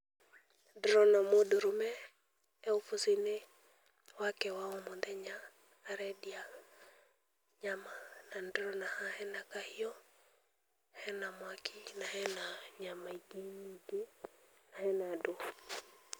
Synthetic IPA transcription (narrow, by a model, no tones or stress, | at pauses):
dɾɔnamoduɾumɛ | ɛufusine | wakɛwaumond̪ɛɲaː | ɾɛdia | ɲamanandɾɔnahahɛnakahijɔ | hɛnamwakinahɛnaɲamaiɡeiɡenahɛnado